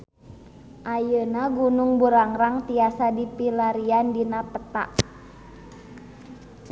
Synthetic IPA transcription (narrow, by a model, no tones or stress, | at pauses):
ʔajənaɡunuŋbuɾaŋɾaŋt̪iasadipilaɾiandinapət̪a̰ʔ